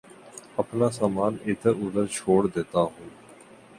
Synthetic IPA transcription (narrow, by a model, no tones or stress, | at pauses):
ɐpnasaːmaːneːd̪əɾʊd̪əɾt͡ʃʰoːɽd̪eːt̪aɦũː